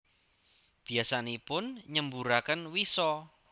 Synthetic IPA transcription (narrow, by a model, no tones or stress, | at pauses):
b̥i̤asanipʊnɲəmbuɾakənwisɔ